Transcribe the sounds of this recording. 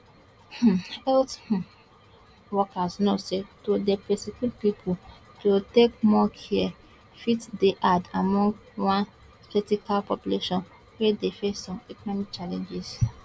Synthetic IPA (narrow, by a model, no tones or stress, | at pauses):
h̩ɛlth̩ | wɔkasnosetodepɛsikilpipʰul | tutek̚mɔkʰiɛ | fitdeʔadamɔ̃ŋɡwãn | fɛtikalpɔpjuleʃɔ̃n | wɛdefesɔ̃mɛkɔnɔmik̚t͡ʃalɛ̃nd͡ʒiz